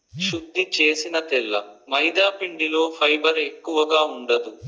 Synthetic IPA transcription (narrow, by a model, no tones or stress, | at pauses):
ʃud̪ːit͡ʃeːsinɐt̪ɛlːɐ̰mɐjd̪aːpiɳɖilo̞ːpʰɐjbɐɾe̞kːuʋɐɡaːuɳɖɐd̪u